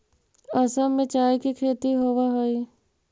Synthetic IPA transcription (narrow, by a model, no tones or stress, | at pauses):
ɐsəmːẽt͡ʃaːjkikʰeːt̪iɦoːʋaɦoi